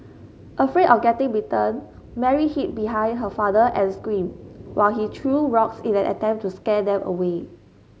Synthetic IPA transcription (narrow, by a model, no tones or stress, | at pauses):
ʔəfɹedɔfɡɛtɪ̃ŋɹitə̃n | mɛɹihit̚biɦãɪj̃nd̚ɦəfadəʔɛ̃nskɹĩmwʔa̰ɪlɦitʰɹuɹɔksĩnɛ̃nʔə̰tɛ̃mp̚tːuskɛdɛ̃mʔə̰we